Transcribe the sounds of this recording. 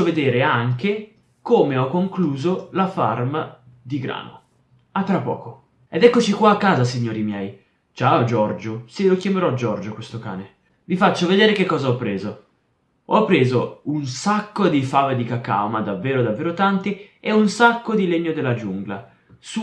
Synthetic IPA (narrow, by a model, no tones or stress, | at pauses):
oved̪eːɾeaŋke | komeɔkːoŋkluːzolafa̰rma | d̪iɡɾa̰ːno̰ | at̪ːɾapːɔ̰ːko | ɛd̪ɛkːot͡ʃikwaːkːaːzas̬iɲːoːɾimjɛj | t͡ʃaːod͡ʒɔrd͡ʒoselokjameɾɔd͡ʒɔrd͡ʒokwest̪oka̰ːne | vifat͡ʃːoved̪eːɾekekːɔːzaɔpːɾeːzo | ɔpːɾeːzounsakːod̪ifaːved̪ikaka̰wmad̪avːeːɾod̪avːeːɾot̪ant̪ieunsakːod̪ileɲːod̪elːad͡ʒuŋɡla̰ | su